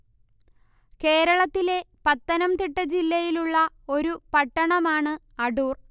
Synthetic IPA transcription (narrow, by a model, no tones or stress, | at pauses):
ke̞ːɾɐɭɐt̪ːile̞pɐt̪ːɐnɐmt̪iʈːɐd͡ʑilːɐjiluɭːɐ | o̞ɾupɐʈːɐɳɐmaːɳɨ | ɐɽuːr